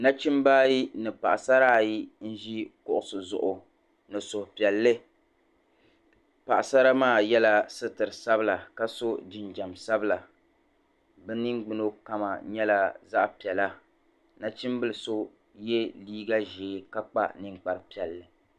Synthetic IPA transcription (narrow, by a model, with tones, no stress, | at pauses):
na˦t͡ʃi˦mbaː˦ji˦nɨ˨pa̰˨ʔa˨sa˦ɾaː˦˨ji˦n̩˦ʒi˦kʊ˦ʔʊ˨sɨ˨zʊ̰˨ʔʊ˨ | nɨ˨sʊ˨hpi˨ɛ˨lːɨ˦ | pa˨ʔa˨sa˦ɾa˦maː˦˨jɛ˦la˦sɨ˦tɨ˨ɾɨ˨sa˦bɨ˦la˨ka˦so˦d͡ʒɪ˨nd͡ʒa˨msa˦bɨ˦la˨ | bɛ˦nɨ˦ŋɡ͡bɨ˦no˦ka˦ma̰˨ɲɛ˦la˦za˦ʔpi˨ɛ˨la˦ | na˦t͡ʃi˦mbɨ˦lɨ˨so˦ | je˦liː˦ɡa˦ʒeː˨˦ka˦k͡pa̰˦nɨ̃˦ŋ͡mk͡pa˨ɾpi˨ɛ˨lːɨ˨